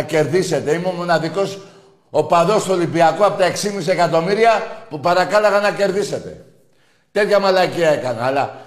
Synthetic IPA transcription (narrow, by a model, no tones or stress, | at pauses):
ce̞ɾðise̞t̪e̞imeomo̞nɐðiko̞s | opaðo̞st̪uolimbiɐkoɐpot̪ɐe̞ksimisiekɐt̪o̞miɾiɐpupɐɾɐkalɐɣɐnɐce̞ɾðise̞t̪e̞̰ | t̪et̪çɐmalɐciɐe̞kɐnɐlɐ